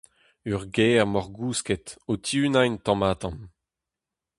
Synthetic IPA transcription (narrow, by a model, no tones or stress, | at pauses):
yʁɡɛːʁmɔʁɡuːskɛt̪ot̪ʰjyːnajnt̪ɑ̃maːt̪ɑ̃n